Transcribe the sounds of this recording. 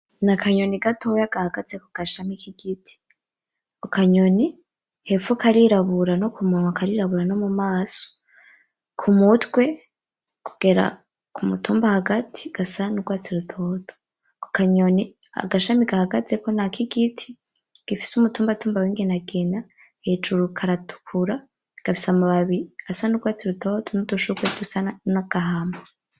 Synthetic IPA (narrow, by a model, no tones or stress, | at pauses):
nakʰaɲo̞niɡatʰojaɡ̥ahaɡazekuɡ̥aʃamikiɡ̥itʰi̥ | okaɲoni | hefukaɾiɾaβuɾano̞kumunwakaɾiɾaβuɾano̞mumaːso̥ | kʰumutwe̞ | ku̥ɡ̥e̞ɾa̰ | kumutuːmbahaɡatʰi̥ɡ̥asanuɡwaːt͡siɾutʰo̞ːto̥ | ko̥kaɲoni | a̰ɡaʃamiɡahaɡaze̞ko̞nakiɡitʰi̥ | ɡ̥ifi̥sumutuːmbatuːmbawiŋɡenaɡena | het͡ʃuɾukʰaɾatʰu̥kʰuɾa | ɡ̥afi̥samuβaβi̥asanuɡwaːt͡siɾutʰo̞tʰonudoʃuɡwedusanaɡ̥aɦama